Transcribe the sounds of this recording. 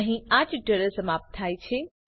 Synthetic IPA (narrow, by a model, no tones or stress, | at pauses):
ɦĩad͡ʒɖəɾəsəmaːp̚t̪ʰːaːjt͡ʃʰe